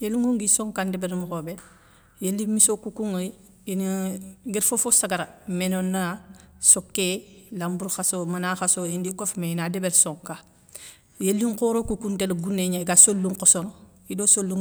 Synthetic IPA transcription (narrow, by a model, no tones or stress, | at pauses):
jeluŋuŋɡisoŋkandebeɾmuxobe | jelːimisokukuŋoi | inɡiɾfofosaɡaɾamenonːasokːelambuɾxasomanaxasoindikofmeinadebeɾsoŋka | jelːiŋkoɾokukuntelɡunːeɲaiɡasolːuŋkosono | idoːsolːuŋ